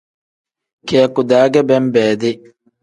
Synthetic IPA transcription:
keɐkʊd̪aːɡɛbɛmbɛːd̪ɪ

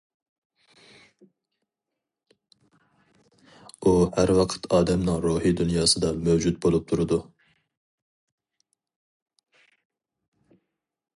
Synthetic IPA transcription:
uhæɾwɑqʰə̥t̪ʰɑːd̪ɛmnɨŋɾuːhid̪unjɑːsɨd̪ɑmøwd͡ʒut̪̚bolˠup̚t̪ʰuɾud̪u

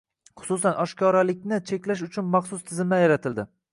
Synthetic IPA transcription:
χʊ̥sʊs̬anʔɒʃkʰʲɒɾalɪkʲnɪt͡ʃʰe̞kʲlaʃ̬ʊt͡ʃʰʊnmɑχsʊst̪ʰɪzɪmajaɾat̪ʰɪld̪ɪ

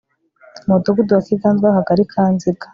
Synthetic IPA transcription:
modoɡuduwakiɡaːnzɡahaɡaɾikʰaːnziɡḁ

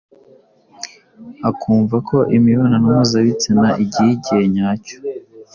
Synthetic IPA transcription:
akʰuːɱvakʰo̞ʔimiβananamazaβit͡sinaʔiɟiiɟieɲaco̥

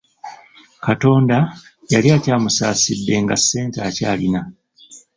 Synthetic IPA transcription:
kato̞ːnda | jaliacaːmusaːsidːe̞ŋɡasːe̞ːntaːcaːlina

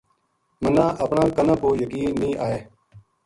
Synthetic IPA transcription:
mənãːʔəpɳãːkənãːkoːjəkiːnːĩːʔaːɦeː

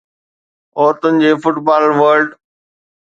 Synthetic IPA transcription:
oːt̪ʊ̃ɪ̃ɲd͡ʑeːfʊʈbaːlʋəːɾɖ

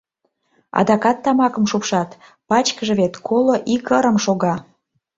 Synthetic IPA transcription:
ɑ̰d̪ɑkɑt̪ːɑmɑkəmʃupʃɑt̪ | pɑt͡ɕkəʒĕβet̪kʰoloʔikəɾəmʃoɣɑ

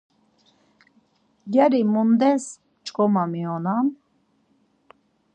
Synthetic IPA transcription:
ɡaɾimund̪ɛs | t͡ʃʼkʼɔmamiɔnam

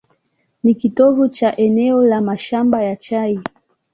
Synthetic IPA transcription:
nikitɔvut͡ʃaʔɛnɛɔlamaʃambajat͡ʃai

